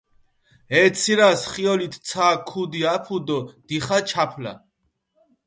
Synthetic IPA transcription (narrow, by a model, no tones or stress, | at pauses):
ɛt̪sʰiɾasχiɔlit̪ʰsʰaːkʰud̪iapʰud̪ɔd̪̥iχat͡ʃʰapʰla̰